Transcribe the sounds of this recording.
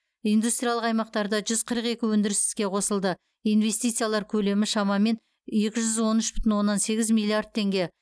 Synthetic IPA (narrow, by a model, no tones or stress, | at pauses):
ijnd̪ust̪ɾʲijalˠəqɑjmɑq̚t̪ɑɾd̪ɑʒʏz̥qʰəɾəqe̞kʲɪwɵnd̪ɪɾɪst̪ɪ̥z̥kʲe̞qʰo̞səlˠd̪ə | ijnve̞st̪ijt̪sɨjalˠɑɾkʲʰɵle̞mɪʃɑmɑme̞n | je̞kʲɪʒʏzwo̞nʏʃbʏ̥t̪ɪnwo̞nːɑnse̞ɡʲɪzmilʲˠiard̪̚t̪ʰe̞ŋɡʲe̞